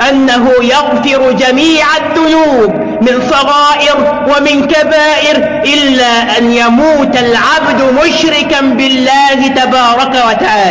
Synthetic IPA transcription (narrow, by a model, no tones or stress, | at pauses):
ʔanːaɦʊjɑɣfɪɾʊd͡ʒamiːʕaðːʊnuːb | mɪnsˤɑɣɑːʔɪɾ | wamɪnkabaːʔɪɾ | ʔɪlːaːʔanjamuːt̪alʕabd̪ʊmʊʃɾɪkanbɪlːaːhɪt̪abɑːɾˤɑkawat̪aʕaːla